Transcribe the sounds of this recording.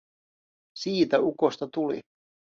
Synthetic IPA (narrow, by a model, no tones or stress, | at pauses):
siːt̪æukost̪ɑt̪ulḭ